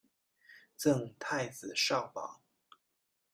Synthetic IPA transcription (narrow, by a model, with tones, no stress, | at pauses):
t͡sɤ˥˧ŋt̪ʰa˥˩ɪd͡zɹ̩˨˩ʂɑ˥˩ʊpɑ̰˨˦ŋ